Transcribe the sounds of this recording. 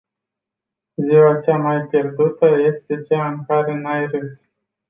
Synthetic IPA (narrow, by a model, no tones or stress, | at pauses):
ziwat͡ʃamajpʲje̞rd̪ut̪əje̞st̪e̞t͡ʃaɨŋkaɾe̞najɾɨs